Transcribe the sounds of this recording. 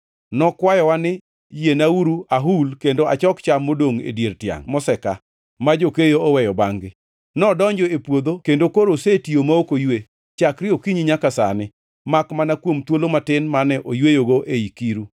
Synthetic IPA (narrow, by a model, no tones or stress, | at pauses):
nɔkwajɔwanɪ | jenauɾuaɦulkendoat͡ʃɔkt͡ʃamːodoŋḛdjertja̰ŋmɔsɛka̰ | mad͡ʒokejoɔwɛjɔbaŋɡɪ | nɔdɔɲd͡ʒɔepwod̪okendokoɾosetiomaokojwe | t͡ʃakɾɪokiɲiɲakasa̰nɪ | makmanakwomt̪wolomatɪnmanɛʔojwejoɡoʔeikiɾu